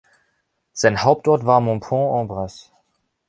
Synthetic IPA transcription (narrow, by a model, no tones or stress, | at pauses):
z̥aɪnhaʊp̚tɔɐtv̥aːɐmɔ̃pʰɔ̃ʔɑ̃ːbʁas